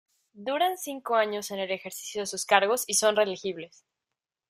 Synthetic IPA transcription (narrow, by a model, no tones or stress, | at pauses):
d̪uɾansiŋko̞aɲo̞se̞ne̞le̞xe̞ɾsi̥sjo̞ðesuskaɾɣo̞siso̞nre̞lixiβle̞s